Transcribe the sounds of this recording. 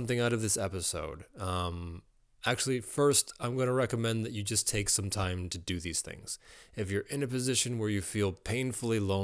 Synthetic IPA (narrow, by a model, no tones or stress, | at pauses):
mθɪ̃ŋaʊɾʌvðɪsɛpɨsoʊd̃m | æk̚t͡ʃʉl̩ˠifɜ˞stãɪ̃mɡʌnəɹɛkəmɛ̃nðɨt͡ʃɨd͡ʒʌstʰeɪksʌ̃mtʰãɪ̃mtʰɨdɨðiz̥θɪ̰̃ŋz̥ɨfjə˞ʔɨ̃nɨpɨzɪʃɨ̃nwə˞jɨfilˠpʰẽɪ̃nfl̩ˠilõ